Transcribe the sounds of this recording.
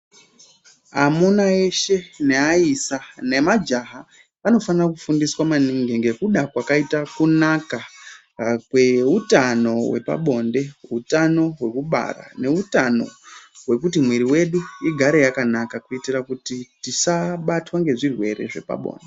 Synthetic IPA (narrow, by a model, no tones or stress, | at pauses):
a̰monae̞ʃe̞ne̞aisane̞mad͡ʒaɦa | ano̞fanirak̬ufundiswamaniŋɡiŋɡe̞kuɗakwakaitakunaka | kweutano̞we̞̰pa̰ɓo̞nde̞utano̞ɦwe̞kuɓa̰ra̰ne̞utano̞̰we̞kutimwiɾiwe̞ɗuiɡʱaɾe̞jakanakakuitirakutitisaɓatwaŋɡe̞ʐirwe̞re̞̰ʐe̞̰pa̰ɓo̰ːnde